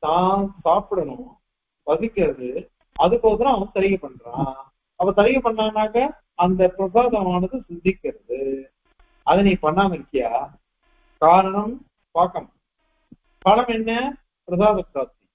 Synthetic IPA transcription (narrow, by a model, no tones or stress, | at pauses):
t̪ãːsaːpɯɽɐɳʊ̃ | pɐsɪkːɪɾɐðɯ | ɐðɯpoːðɯlãːɐʋɐɯt̪ɐɾɪɣɐpɐɳːɾã̰ː | ɐpːɐ̃t̪ɐɾɪɣɐpɐɳːaːnːaːkɐː | nd̪ɐpɾɐsaːðɐmaːnɐðɯsɪnd̪ɪkːɪɾɐðɯ | ɐðɯnĩːpɐɳːaːmɐɾɪkːɪjaː | kaːɾɐɳɐm | paːkɐm | pɐlɐmɛnːɐ | pɾɐsaːðɐksaːt̪i